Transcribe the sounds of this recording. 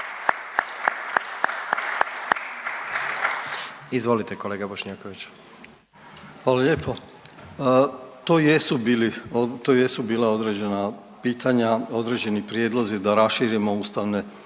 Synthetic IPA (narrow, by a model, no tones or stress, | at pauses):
izʋo̞lit̪ekoleːɡaboʃɲaːkoʋit͡ɕ | xʋaːlaʎeːpo̞ | t̪oːjesubiliot̪oːje̞subiːlao̞d̪ɾe̞d͡ʑe̞na | piːt̪aɲao̞d̪ɾe̞d͡ʑe̞nipɾjed̪lˠo̞zid̪aɾasʃiːɾjimo̞uːst̪aʋne̞